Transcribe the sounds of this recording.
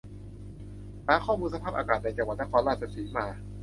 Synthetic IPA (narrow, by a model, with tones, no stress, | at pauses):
saː˨˦˥kʰɔː˥˩muː˧nsa˧pʰaː˥˩p̚ʔaː˧kaː˨˩t̪̚na˧jt͡ɕa˧ŋwa˨˩t̪̚na˥kʰɔː˧nɾaː˥˩t̪̚t͡ɕʰa˧˩sʰiː˨˩˦maː˧